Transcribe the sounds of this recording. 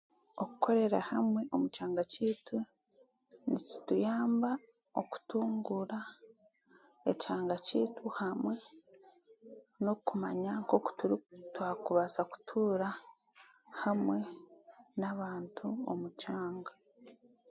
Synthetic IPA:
o̞ku̥kʰo̞ɾe̞ɾahamwe̞ʔomut͡ʃaːŋɡaciːtu | nici̥tujaːmba | o̞ku̥tuːŋɡuɾa | ecaːŋɡaciːtʰuhamwe̞ | nokumaɲaŋko̞ko̥tuɾitwaːkuβasaku̥tʰuːɾa | hamwe̞ | naβaːntʰuo̰mut͡ʃaːŋɡa

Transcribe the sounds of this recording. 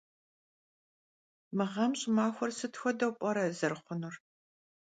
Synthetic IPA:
mɨʁɐmɕʼɪmaːxʷɔrsɨtʰxʷɔdɐwpʼɔɾɐzɐrχʷʊnur

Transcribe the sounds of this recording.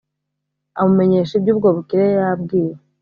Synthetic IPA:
amume̞ɲe̞ːʃib̚ɟuːb̚ɡoβukiɾejab̚ɡiːɾe

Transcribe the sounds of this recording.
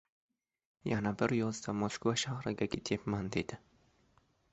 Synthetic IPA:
janabɪɾjozd̪amoskovaʃahɾɪɡʲaɡʲet̪ʰepmand̪ed̪̥ɪ

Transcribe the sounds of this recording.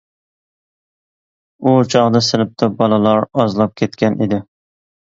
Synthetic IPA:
ut͡ʃʰɑʁd̪ɑsɪlɪp̚t̪ʰɑbɑlˠɨlˠɑɾɑzlˠɑp̚kʲʰet̪kʲʰɛnʔid̪ɪ

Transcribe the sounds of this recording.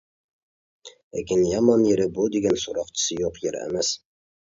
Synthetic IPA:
ekʲinjɑmɑnjeɾɪbud̪eɡʲɛnsuɾɑqt͡ʃʰɪ̥sɨjoqjeɾæ̰mæs

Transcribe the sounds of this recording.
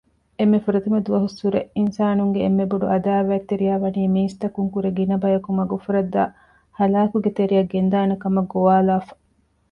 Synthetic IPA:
emːefuɾɐt̪umɐd̪uʋɐɦusuɾḛʔinsaːnuŋɡeːmːeboɖuɐd̪aːʋæːt̪ːeɾijæːʋɐniːmiːst̪ɐkuŋkuɾeɡinɐbɐjɐkumɐɡufuɾɐd̪ːaː | hɐlaːkuɡet̪eɾijɐɡend̪aːnekɐmɐɡoʋaːlaːfɐ̥

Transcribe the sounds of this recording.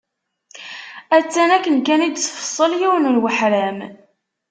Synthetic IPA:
æt͡sːænækːənkænid̪t͡sːfə̥sˤːəljiwənulwəħɾæm

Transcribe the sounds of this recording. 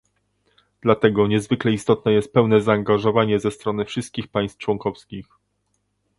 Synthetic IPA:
d̪̥lat̪ɛɡɔɲɛzvɘklɛist̪ɔt̪̚nɛjɛst̪̚pɛwnɛzaːŋɡaʐɔvaɲɛzɛst̪ɾɔnɘfʂɘst̪̚kʲixpaj̃st̪t͡ʂwɔŋkɔfskʲix

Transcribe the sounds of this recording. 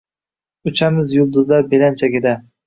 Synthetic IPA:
ʊt͡ʃʰamɪzjʊlˠd̪ʊzlaɾbelant͡ʃʰaɡʲɪd̪a

